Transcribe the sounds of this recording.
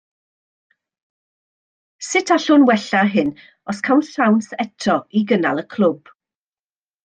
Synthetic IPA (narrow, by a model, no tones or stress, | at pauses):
sɪtʰaɬʊnwɛɬaɦɪn | ɔskʰawnsawnsɛtʰɔiɡəna̰lˠəkʰlˠʊb̥